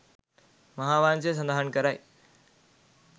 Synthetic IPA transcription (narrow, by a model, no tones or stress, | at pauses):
mɐɦãʋaːnt͡ɕes̬ə̃nd̪ʱaːɦənkəɾaːḛ